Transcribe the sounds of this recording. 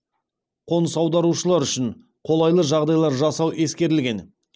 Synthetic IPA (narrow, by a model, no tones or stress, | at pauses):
qʰo̞nsɑwd̪ɑɾuʃəlˠɑɾʏʃɪn | qʰo̞lˠɑjlˠəʒɑʁd̪ɑjlˠɑɾʒɑsɑwʔe̞skʲe̞ɾɪlɡʲe̞n